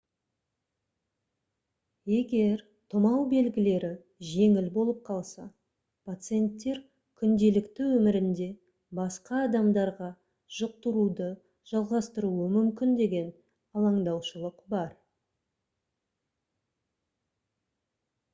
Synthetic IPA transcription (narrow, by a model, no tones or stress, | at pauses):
je̞ɡʲe̞ɾ | t̪ʰʊmɑwbe̞lɡʲɪle̞ɾɪ | ʒe̞ŋɪlbo̞lˠəp̚qʰɑlˠsɑ | pʰat̪sɨje̞nt̪ːe̞ɾ | kʲʰʏnd̪e̞lɪkt̪ɪwɵmɪɾɪnd̪e̞ | bɑsqɑːd̪ɑmd̪ɑɾʁɑ | ʒ̥ʊq̚t̪əɾud̪ə | ʒ̥ɑlˠʁɑst̪əɾuəmʏmkʲɪnd̪e̞ɡʲe̞n | ɑlˠɑɴd̪ɑwʃəlˠəqbɑɾ